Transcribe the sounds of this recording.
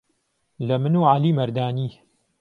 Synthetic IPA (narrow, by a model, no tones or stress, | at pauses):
lɐmɨnuːʕaliːmɐɾd̪aːniː